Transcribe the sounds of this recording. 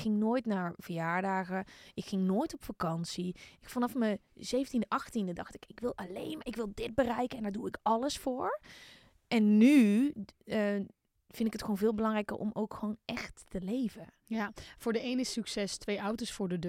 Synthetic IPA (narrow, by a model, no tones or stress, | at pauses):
xɪŋnoːjtnaɹv̥əjaːɹdaːɣəʔɪkxɪŋnoːjtɔpfakɑnsiɪkfanɑfməz̥eːvəntindəʔɑxtindədɑxtɪkɪkʋɪlˠalḛːnmɪkʋɪlˠdɪt̚bərɛjkəɛndaɹduɪkɑləsfoːɹ | ʔɛnːy | ə | fɪndɪkətxʋoːnvɪːlˠbəlɑŋrɛjkə̰ʔɔ̰mowkxʋoːnɛxtːəleːvə | jafʊːɹdəejnɪsyksɛstʋejawtosfʊːɹdəd